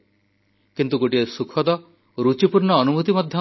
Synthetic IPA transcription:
kint̪uɡoʈiesukʰɔd̪ɔ | ɾut͡ʃipuɾɳɔːnumut̪imɔd̪ʱjɔ

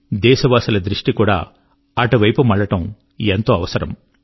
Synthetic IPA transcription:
d̪ɛːʃɐʋaːsɐlɐd̪ɾiʂʈikuːɽa̰ː | ɐʈuʋɐjpumɐɭːɐʈɐm | ent̪o̞ːɐʋɐsɐɾɐ̰m

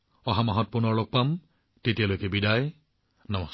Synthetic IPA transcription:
ɔɦamaɦɔt̚pʊnɔɹlok̚pam | tetijalojkɛbidaj | nɔmɔs

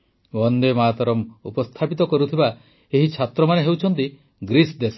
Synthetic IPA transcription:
wɔnd̪emaːt̪ɔɾɔmupɔst̪ʰapit̪ɔkɔɾut̪ʰiba | eɦit͡ʃʰat̪ɾɔmaneɦewt͡ʃʰɔnt̪i | ɡɾisd̪es

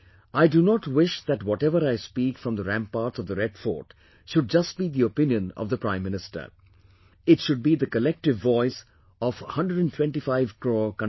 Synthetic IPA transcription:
aɪɖunɔʈwɪʃðæʈwɔʈɛʋəɾaɪspiːkfɾʌ̃md̪əɾæ̃mpːaːɾʈsɔvd̪əɾɛɖfɔ̰ːʈ | ʃʊɖ̚d͡ʒʌsʈ̚biːd̪iopɪ̃njə̃nɔ̰vðəpɾãɪ̃mːɪnɪsʈə̰ɾ | ɪʈʃʊɖ̚biːd̪əkəlɛk̚ʈɪvːɔɪs | ɔʋhʌ̃nɖɹəɖæ̃ntʰw̥ɛ̃nʈifaɪvkɹoːkʌ̃

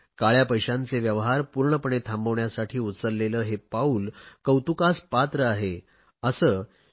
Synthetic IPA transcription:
kaɭjapəjɕãnt͡seʋjəʋɦaɾpuɾɳəpəɳet̪ʰambəʋɳjasaʈʰiːut͡səɾleləːɦepauːlkəwt̪ukaspat̪ɾəaɦe | əsəː

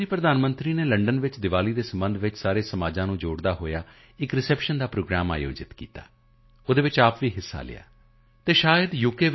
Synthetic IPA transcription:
iːpɾəd̪aːnmənt̪ɾiːneːləɳɖənʋɪt͡ʃd̪ɪʋaːliːd̪eːsəmbənd̪ʱʋɪt͡ʃsaːɾeːsəmaːd͡ʒãːnũːd͡ʒoːɽd̪aːɦoːjaː | ɪkɾɪsɛːpʃənd̪aːpɾoːɡɾaːma̰ːjo̰ːd͡ʒɪt̪kḭːt̪a̰ː | oːd̪eːʋɪt͡ʃaːpʋiːɦɪsːa̰ːlɪ̰ja̰ː | t̪eːʃaːjəd̪juːkeːʋ

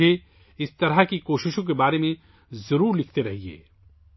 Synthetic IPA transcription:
e | ɪst̪ɐɾəkikoːʃɪʃõk̬ebaːɾemẽ | zɐɾuːɾlɪkʰt̪eɾɐɦiḛː

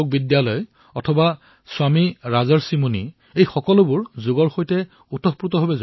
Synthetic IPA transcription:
k̚bidjalɔj | ɔtʰɔba | swamiɹazɔɹsimuni | ejxɔkɔlʊbʊɹzʊɡɔɹxojtɛ | utɔpɹutɔɦobɛz

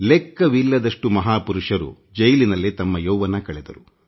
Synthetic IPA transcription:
lɛkːɐʋilːɐd̪ɐʂʈumɐɦaːpuɾuʂɐɾṵ | d͡ʒɐjlinɐlːit̪ɐmːɐjowʋɐnɐkɐɭɛd̪ɐɾu

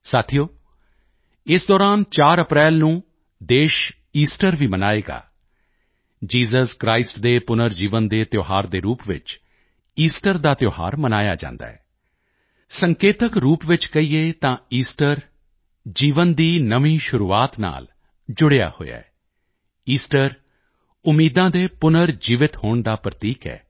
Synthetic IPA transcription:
saːt̪ʰijoː | ɪsd̪ɔːɾaːnt͡ʃaːɾəpɾɛːlnũː | d̪eːʃ | iːsʈəɾʋiːmənaːeːɡa̰ː | d͡ʒiːzəskɾaːɪsʈd̪eːpʊnəɾd͡ʒiːʋənd̪eːt̪joːɦaːɾd̪eːɾuːpʋɪ̰t͡ʃ | iːsʈəɾd̪aːt̪joːha̰ːɾmənaːja̰ːd͡ʒã̰ːnd̪a̰ːɛː | səŋkeːt̪əkɾuːpʋɪt͡ʃkəiːeːt̪ãːiːsʈəɾ | d͡ʒiːʋənd̪iːnəʋiːʃʊɾuːaːt̪na̰ːl | d͡ʒʊɽeja̰ːho̰ja̰ɛ | iːsʈəɾ | ʊmːiːd̪ãːd̪eːpʊnəɾd͡ʒiːʋɪt̪hoːɳd̪aːpɾət̪iːkɛ̰ː

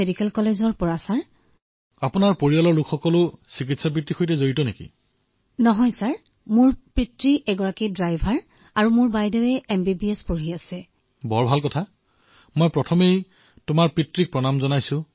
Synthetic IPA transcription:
edikɛlkɔlezɔɹpɔɹasaɹ | apʊnaɹpoɹialɔɹlʊkʰxɔkɔlʊsik̬itsap̬ɹitɹixojtɛzoɹitɔnekḭ | nɔɦɔjsaɹ | mʊɹpɹitɹiʔɛɡɔɹakidɹajbʱaɹ | aɹumʊɹbajdɔwɛʔɛmbibiɛspoɹɦiasɛ | bɔɹbʱalkɔtʰa | mɔjpɹɔtʰɔmej | tʊmaɹpɹitɹik̚pɹɔnamzɔnajsʊ̃

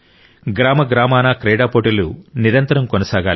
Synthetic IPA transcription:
ɡɾaːmɐɡɾaːmaːnakɾɛːɽaːpoːʈɐluniɾɐnt̪ɐɾɐmkonɐsaːɡaːl

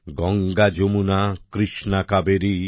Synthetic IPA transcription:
ɡɔŋɡad͡ʒomunakɾiʃnakabeɾi

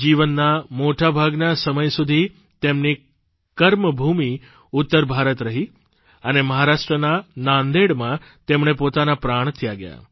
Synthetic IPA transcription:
d͡ʒiʋənːamoʈabʱaɡnasəməjsud̪ʱi | t̪emni | kəɾməbʱumi | ʊt̪ːəɾbʱaɾət̪ɾəɦi | əneməɦaɾaʂʈɾənanãnd̪eɽmãt̪emɳepot̪anapɾaɳ̃t̪ʰijaɡəja̰

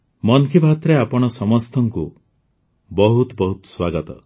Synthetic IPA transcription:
mɔnkʰibʱat̪ɾeapɔɽ̃ɔsɔmɔst̪ʰɔŋku | bɔɦut̪bɔɦut̪ɔ̥swaɡɔt̪ɔ̰

